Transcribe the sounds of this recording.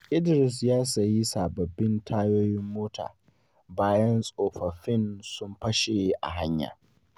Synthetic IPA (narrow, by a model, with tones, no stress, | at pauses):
ʔɪ˦dɪ˨ɾɪ˨s̬jaː˦sɐ˨ji˦saː˨bɐ˨bːɪ˦ntʰaː˦joː˦jɪ˦mːoː˦ta̰ː˨ | baː˦jɐ˦nsʼoː˨ɸɐ˨ɸɪ˦˨nsʊ˦mɸɐ˦ʃe˨jʔa̰˨ɦa˦ɲja̰ː˨